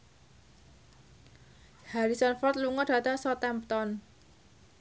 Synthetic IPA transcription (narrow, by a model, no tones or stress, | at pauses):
haɾisɔnfɔt̪luŋɔɖ̥ä̤t̪aŋsɔt̪ɛmpt̪ɔn